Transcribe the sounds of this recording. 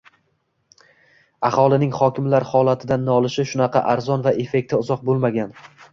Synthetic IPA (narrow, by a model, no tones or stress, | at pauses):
ahɒlˠɪnɪŋχɒkʲɪmlaɾhɒlˠat̪ʰɪd̪anːɒlˠɪʃɪʃʊnɑqʰɑ̰ʔaɾzɒnvaʔe̞fe̞k̚t̪ɪʊzɒq̚bolˠmaɡʲan